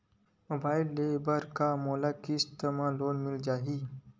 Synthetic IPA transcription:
moːbaːɪlːebəɾkamoːlakiɪst̪emaloːnmɪld͡ʒaːɦi

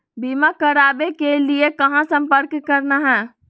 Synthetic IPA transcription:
bimakəɾabekeliekəɦãsəmpəɾkːəɾnaɦɛ̃

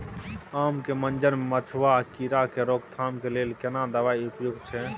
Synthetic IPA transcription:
amkemənd͡ʒəɾmemət͡ʃʰʋakiɾakeɾokt̪ʰamkelelkenad̪əʋaiupjuɡt͡ʃʰɛ

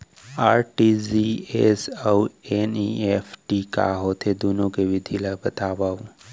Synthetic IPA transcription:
aːɾʈiziesaweniefʈika̰ɦot̪ʰed̪ʱunokeʋɪd̪ʱilabət̪aʋaʋũ

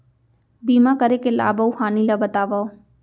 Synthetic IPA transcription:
biːmãkəɾekela̰ːbəũhaːnilabət̪aːʋao

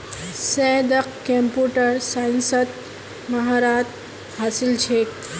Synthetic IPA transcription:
sɛd̪əqkempuːʈəɾsaːjnsəd̪̚ | mɐɦaːɾaːt̪ | haːsɪlt͡ʃʰeːk

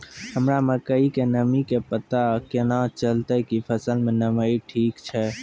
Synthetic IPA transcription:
həmɾaməkəikenəmikepət̪akenat͡ʃəlt̪əkipʰəsəlmenəməjʈʰikt͡ʃʰɛ

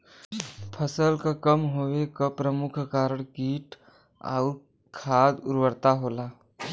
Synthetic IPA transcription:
pʰəsəlkakəmɦowekapɾəmʊkʰkaːɾəɽ̃kiːʈ | a̰ʊɾ | kʰaːd̪ʊɾwəɾt̪aɦoːlaː

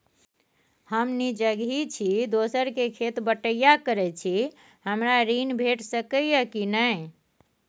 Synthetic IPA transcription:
həmnid͡ʒəɡʱit͡ʃʰid̪osəɾkekʰet̪bəʈəjakəɾɛt͡ʃʰi | həmɾaɾinbʱeʈsəkəjəkinəj

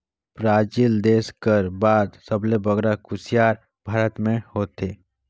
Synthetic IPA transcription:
pɾaːd͡ʒild̪eːskəɾbaːd̪səblebəɡɾakʊsijaːɾ | bʱaːɾət̪mẽhoːt̪ʰeː

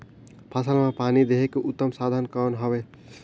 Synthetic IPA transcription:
pʰasəlmãpanid̪eɦekeʔut̪ːəmsad̪ʱənkənɦəbe

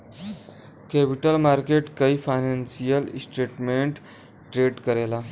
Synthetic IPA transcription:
kɛpiʈəlmaɾkeʈkaifajnansijəlsʈɾeʈmeɳʈ | ʈɾeɖkəɾela

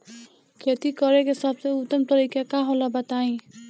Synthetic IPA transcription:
kʰet̪ikɔɹɛkesabseut̪ɔmt̪ɔɾikakaɦɔ̃lɔbat̪aĩ

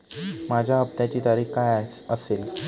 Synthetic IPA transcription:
mad͡ʑʱaəb̚t̪jat͡ɕiːt̪aɾiːxkaj | əsel

